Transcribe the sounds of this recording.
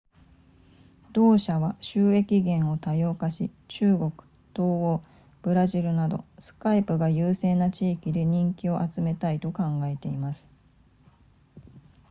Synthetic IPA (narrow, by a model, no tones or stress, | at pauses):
d̪o̞ːɕaβaɕɨːe̞kʲiɡẽ̞ɰ̃o̞t̪ajo̞ːkaɕi | t͡ɕɨːɡo̞kɯ̟̥ | t̪o̞ːɡo̞ː | b̥ɯ̟ɾaʑiɾɯ̟nad̪o̞sɨ̥kaipɯ̟ɡajɯːse̞ːnat͡ɕiːkʲid̪e̞ɲ̟ĩŋkʲio̞ʔat͡sɨme̞t̪ait̪o̞kãŋɡae̞t̪e̞imasɨ̥